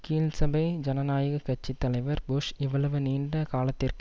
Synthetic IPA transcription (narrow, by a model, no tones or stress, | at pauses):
kiːlsɐbɐɪd͡ʒɐnɐnaːjɐɣɐkɐt͡ʃːit̪ːɐlɐɪʋɐɾbʊʂɪʋːɐɭɐʋɯniːɳɖɐkaːlɐt̪ːɪrk